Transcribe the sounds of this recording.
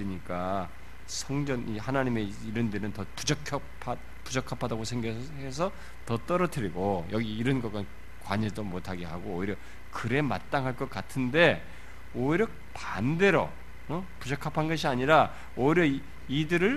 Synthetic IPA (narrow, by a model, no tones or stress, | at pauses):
ɾiɲik͈a | sʰʌŋd͡ʑʌnʔihanaɲime̞ | iɾɯndenɯntʌpud͡ʑʌkʰʌpʰa | pud͡ʑʌkʰapʰadaɡosʰeŋɡjʌs | hes̬ʰʌ | tʌt͈ʌɾʌtʰɯɾiɡojʌɡiːɾʌnɡʌk͈an | kwaɲidomotʰaɡe̞ɦaɡoːiɾjʌ | kɯɾe̞ma̰t͈aŋɦaɭk͈ʌk͈atʰɯnde̞ | oiɾjʌ | pande̞ɾʌ̰ | ʌpud͡ʑʌkʰapʰanɡʌɕ̬ʰiaɲiɾa | oiɾjʌ | idɯɾɯɭ